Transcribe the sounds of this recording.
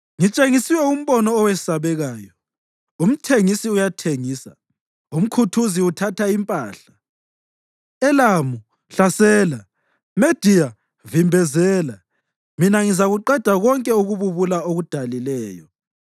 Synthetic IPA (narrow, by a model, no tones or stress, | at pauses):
ŋit͡ʃʼeŋisiwɛum̩βɔnɔːwɛsaβɛɣaːjɔ | um̩tʰeŋisiujatʰeŋiːsa̰ | um̩kʰutʰuziutʰatʰaimpʼaːɬa | ɛlamu | ɬasɛːla | med̥ʱija | vimbʱɛzɛːla | minaŋizaɣuǃɛd̥ʱaɣɔŋkʼɛuɣuβuβulaoɣud̥ʱalilɛːjɔ